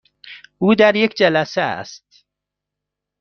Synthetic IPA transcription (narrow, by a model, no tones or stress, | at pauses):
uːd̪æɾjekd͡ʒælæsææ̰st̪̚